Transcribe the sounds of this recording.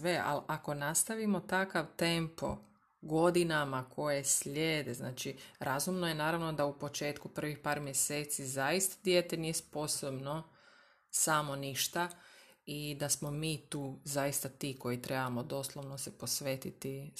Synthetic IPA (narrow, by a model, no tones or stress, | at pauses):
ʋe̞ʔa̰lʔako̞nast̪aʋimo̞t̪akaʋt̪e̞mpo̞̰ | ɡo̞d̪inamakʰo̞jeslʲjeːd̪ezna̰ːt͡ʃiɾazumnojenaːɾaʋno̞d̪aupo̞t͡ʃe̞ːt̪kupr̩ʋixpaːɾmjese̞ːt̪sizajist̪ḁd̪jet̪enijespo̞sobno | samo̞niʃt̪a | id̪asmo̞miːt̪uːzajist̪at̪iːko̞jit̪ɾe̞bamo̞d̪o̞slˠoʋno̞sepo̞sʋet̪it̪i